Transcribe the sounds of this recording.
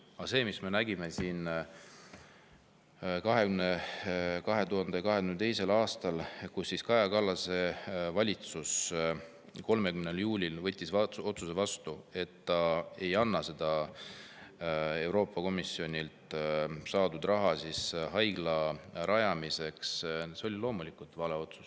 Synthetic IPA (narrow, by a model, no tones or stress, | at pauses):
ɑse̞ːmisme̞næɡ̥ime̞siːn | kɑɦe̞kymnekɑɦe̞t̪uɦɑnd̪̥ejɑkɑɦekynet̪e̞jse̞lɑːst̪ɑlkusːiskɑjɑkɑlːɑse̞vɑlʲit̪sus | ko̞lme̞kymneljuːlʲilvɤ̞t̪ʲˑːiso̞t̪suse̞vɑst̪ue̞t̪ːɑe̞jɑnːɑse̞d̪̥ɑ | e̞wɾo̞ːpːɑko̞misːio̞nʲilt̪sɑːd̪ud̪rɑɦɑsisɦɑjɡlɑɾɑjɑmise̞ksseo̞lʲilo̞ːmulikːˑult̪vɑleo̞t̪su̥s